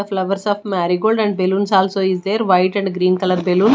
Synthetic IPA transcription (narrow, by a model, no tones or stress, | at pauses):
əflɐʋɐɾsaːfmæːɾiɡoːlɖɛ̃ɳɖ̚beluːnsaːlsoːizd̪eːɾʋɐjʈɛ̃ɳɖɡɾiːnkɐlɐɾbeluːn